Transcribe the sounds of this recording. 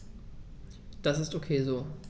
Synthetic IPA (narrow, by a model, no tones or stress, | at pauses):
d̥asɪstokʰeːzoː